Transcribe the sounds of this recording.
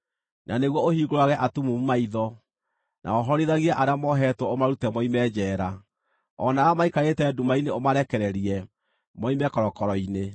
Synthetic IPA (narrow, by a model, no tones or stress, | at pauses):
naneɣwɔohiːɣoɾwaɣɛʔatumumumaiðɔ | nʔa̰ɔɦɔɾiðaɣiaʔaɾeamɔɦɛtwɔomaɾutɛmɔimɛːd͡ʑɛːɾa | ɔnaamaikaɣetɛːdumaineomaɾɛkɛɾɛɾiɛ | mɔimɛkɔɾɔkɔɾɔine